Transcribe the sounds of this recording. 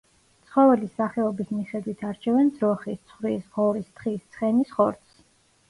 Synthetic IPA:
tt̪sʰχɔvɛlisaχɛɔbismiχɛd̪wit̪ʰaɾt͡ʃʰɛvɛnd̪zɾɔχist̪sʰχɾisʁɔɾist̪χist̪sʰχɛnisχɔɾt̪ss

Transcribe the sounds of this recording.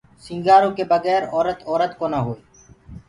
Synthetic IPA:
sɪ̃ŋɡaːɾõːkeːbəɣɛːɾɔːɾət̪ɔːɾət̪koːnaɦoːeː

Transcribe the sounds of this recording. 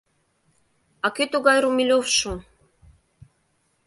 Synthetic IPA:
ɑkyt̪uɣɑjɾumilʲofʃu

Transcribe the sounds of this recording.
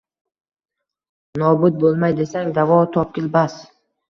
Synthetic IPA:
nɒbʊt̪̚bolˠmajd̪e̞saŋd̪avɒt̪ʰɒp̚kʲɪlbas

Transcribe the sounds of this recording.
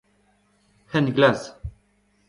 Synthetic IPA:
hɛnɡlas

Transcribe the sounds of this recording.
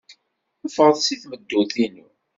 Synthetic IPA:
əfəʁðsiθməd̪ːuθinu

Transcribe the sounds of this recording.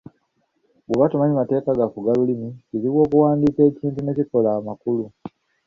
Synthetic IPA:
beβatumaɲimate̞ːkaɡafuɡalulimiciziβwo̞ːkuwaːndiːke̞ːciːntune̞ciko̞laːmakulu

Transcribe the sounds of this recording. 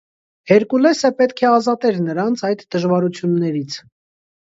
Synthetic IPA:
hɛɾkulɛsəpɛt̪kʰɛɑzɑt̪ɛɾnəɾɑnt͡sʰɑjd̪d̪əʒvɑɾut͡sʰjunːɛɾit͡sʰ

